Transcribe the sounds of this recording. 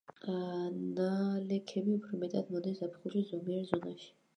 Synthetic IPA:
nalɛkʰɛbiupʰɾɔmɛt̪ʼad̪mɔd̪ɛsapʰχuʃizɔmiɛɾzɔnaʃi̥

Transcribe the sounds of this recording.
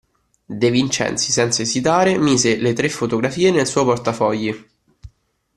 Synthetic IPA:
d̪evint͡ʃɛ̰nt̪sisɛnt̪saezit̪aːɾemiːzelet̪ɾefːot̪oɡɾafiːenelsuɔjport̪afɔʎːi

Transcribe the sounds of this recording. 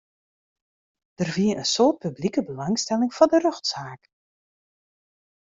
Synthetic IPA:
d̥ərviənʔənsoːt̚pyblikəbəlɑŋstɛlɪŋfɔndərøxtsaːk

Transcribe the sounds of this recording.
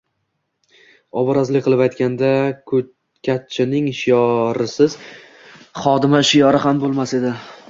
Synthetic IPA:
ɒbɒɾazlɪk̚ʲqʰɨlˠɪpajt̪kʲand̪akʰ | kʲʰat̪̚t͡ʃʰɪnɪŋʃɪjɒɾɪsɪz | χɒd̪ɪmaʃɪjɒɾɪhambolˠmase̞d̪ɪ

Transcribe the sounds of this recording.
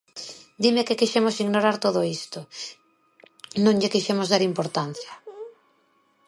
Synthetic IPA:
d̪imekekiʃemosiɣnoɾaɾt̪oð̞oist̪ʊ | nõŋʎɪkiʃemʊzðaɾimpoɾt̪an̟θjɐ

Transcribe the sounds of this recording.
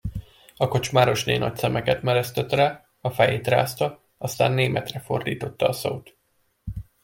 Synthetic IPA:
ɒko̞t͡ʃmaːɾo̞ʃneːnɒ̰csɛmɛkɛt̪mɛɾɛst̪ɛt̪raː | ɒfɛjeːt̪ra̰ːst̪ɒ | ɒst̪a̰ːnːeːmɛt̪rɛfo̞̰rd̪iːt̪o̞t̪ːɒːso̰ːt̪

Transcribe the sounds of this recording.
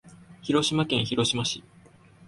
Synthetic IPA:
çiɾo̞ɕimakẽ̞ɰ̃çiɾo̞ɕimaɕi

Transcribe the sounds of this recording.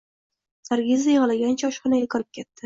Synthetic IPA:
sʰaɾɡʲɪzajʁɨlaɡʲant͡ʃʰaɒʃχɒnaɡʲakʰɒɾɪp̚kʲʰet̪ːɪ

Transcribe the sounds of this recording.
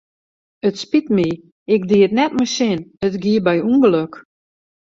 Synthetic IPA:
ətspitmi | ɪk̚diətnɛtməsɪnətɡiəbɛjunɡəløk

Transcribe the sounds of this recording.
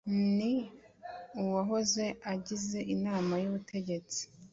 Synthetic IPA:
ni | uwaɦo̞ze̞aɟize̞ʔinaːmajuβutʰe̞ɟe̞t͡si̥

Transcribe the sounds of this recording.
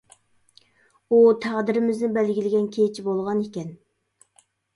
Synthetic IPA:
ut̪ʰæʁd̪ɪɾɪmɪznɪbɛlɡʲilɪɡʲɛnkʲʰet͡ʃʰibolˠʁɑnekʲɛn

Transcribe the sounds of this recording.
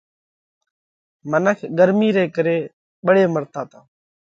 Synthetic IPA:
mənəkʰɡəɾmiːɾeːkəɾeː | ɓəɽeːməɾt̪aːt̪aː

